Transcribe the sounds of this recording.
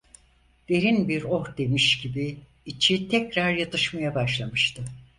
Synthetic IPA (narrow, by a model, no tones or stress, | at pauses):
d̪̥e̞ɾinbiɾo̞ɾd̪e̞miʃɟibiː | t͡ʃʰit̪ʰɛcɾaɾjat̪ʰɯʃmajabaʃlˠamɯʃt̪ʰɯ